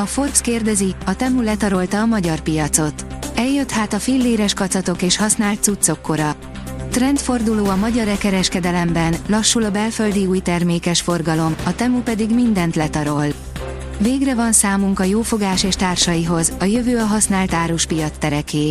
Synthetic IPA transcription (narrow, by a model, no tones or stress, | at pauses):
ɒforpskeːrd̪ɛziɒt̪ɛmulɛt̪ɒɾo̞lt̪ɒːmɒɟɒrpijɒt̪so̞t̪ɛjːøt̪haːt̪ɒfilːeːɾɛʃkɒt̪sɒt̪o̞keːʃhɒsnaːlt̪sut̪so̞kːo̞ɾɒ | t̪rɛnt̪fo̞rd̪uloːɒmɒɟɒɾɛkɛɾɛʃkɛd̪ɛlɛmbɛnlɒʃːulɒbɛlføld̪iuːjt̪ɛrmeːkɛʃfo̞rɡɒlo̞mɒt̪ɛmupɛd̪iɡmind̪ɛnt̪lɛt̪ɒɾo̞l | veːɡrɛvɒnsaːmuŋkɒjoːfo̞ɡaːʃeːʃt̪aːrʃɒjiɦo̞zɒjøvøːɒɦɒsnaːlt̪aːɾuʃpijɒt̪st̪ːɛɾɛkeː